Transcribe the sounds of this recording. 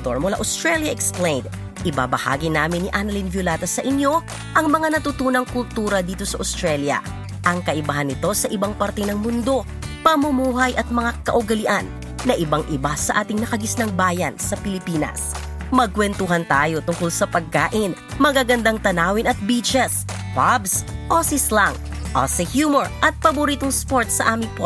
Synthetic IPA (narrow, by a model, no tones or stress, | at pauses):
t̪oɹmʊla̰ʔʊst̪ɾɛljɐʔɛksplɛjnd̪̚ | ʔɪba̰bɐha̰ːɡinaːmɪnːɪʔanɐlinvjʊlaːt̪ɐsɐʔɪnjo̞ | ʔɐŋmɐŋanɐt̪ʊt̪uːnɐŋkʊlt̪uːɾɐd̪iːt̪o̞sɐʔʊst̪ɹɛljɐ̰ | ʔɐŋkɐʔɪbaɦɐnɪt̪o̞sɐʔɪbaŋpɐɾt̪ɛnɐŋmʊnd̪o̞ | pɐmʊmuːɦɐjʔɐt̪̚mɐŋakɐ̰ʔʊɡɐlɪʔanː | ɐʔɪbaŋʔɪbasɐʔaːt̪ɪŋnɐkɐɡɪsnɐŋbaːjɐnsɐpɪlɪpiːnɐ̰s | mɐɡ̚kwɛnt̪uɦɐnt̪aːjo̞t̪ʊŋkolsɐpɐɡ̚kːaːʔɪn | mɐɡaɡɐnd̪aŋt̪ɐnaːwɪnɐt̪̚biːt͡ʃɛs | pabsʔosislɐŋ | ʔo̰sɛhjuːmoɹʔɐt̪̚pɐbʊɾiːt̪oŋspo̞ɹt̪sɐʔaːmɪŋpo